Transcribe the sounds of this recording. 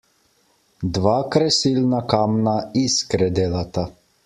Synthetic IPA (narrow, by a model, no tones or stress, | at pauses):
d̪ʋaːkɾɛsilnakaːmnaiskɾɛd̪eːlat̪a